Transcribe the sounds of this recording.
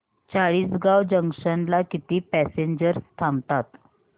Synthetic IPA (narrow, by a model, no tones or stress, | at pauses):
t͡saɭiːsɡawd͡ʑəŋkʂənlakit̪iːpɛseɲd͡ʑəɾt̪ʰamt̪at̪